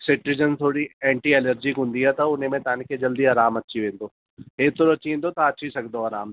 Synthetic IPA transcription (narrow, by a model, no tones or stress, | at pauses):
sɪʈɾɪd͡ʒənt̪ʰoːɽiɛ̃ːɳʈiɛləɾd͡ʒikɦʊ̃nd̪iɦɛt̪aʊnẽmẽt̪aːnɪkːed͡ʒɐld̪iaːɾaːmɐtːʃʰiʋẽːnd̪oː | ɦeːt̪oɾɐtːʃʰiẽnd̪ot̪aɐtːʃʰisɐkʰd̪oaːɾaːm